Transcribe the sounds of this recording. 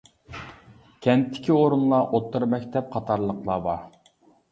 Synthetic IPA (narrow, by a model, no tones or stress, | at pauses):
kʲʰɛnt̪ʰːɪ̥kʲioɾunlˠɑʔot̪ʰːɨɾmɛkʲt̪ʰɛp̚qʰɑt̪ʰɑɾlˠəqlˠɑbɑ